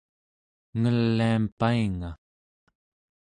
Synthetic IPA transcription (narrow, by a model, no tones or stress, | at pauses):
ŋəlːiampaiŋa